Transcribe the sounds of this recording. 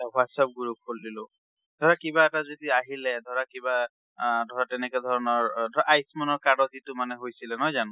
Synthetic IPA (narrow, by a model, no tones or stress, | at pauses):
aɦwatsap̚ɡuɹukʰoldilʊ | dʱɔɹakibaɛtazodiaɦilɛd̪ʱɔɹakiba | dʱɔɹatɛnɛkɛdʱɔɹɔnɔɹdʱɔaʔajsmɔnɔɹkadɔtitʊmanɛɦojsilɛnɔjzanʊ̃